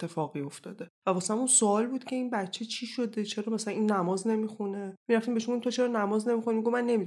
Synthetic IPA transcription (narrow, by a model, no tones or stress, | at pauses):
et̪ʰːe̞fɒːɣio̞ft̪ɒːd̪evæbɒːseæmunsoɒːlbuːd̪cʲʰe̞inbæt̪t͡ʃʰe̞t͡ʃʰiʃod̪e̞t͡ʃʰe̞ɾɒːmæsælæninːæmɒːzne̞mixune̞miɾæft̪imbeʃumɡomt̪ʰot͡ʃʰeɾɒnæmɒːzne̞mixunimiɡomænːe̞mi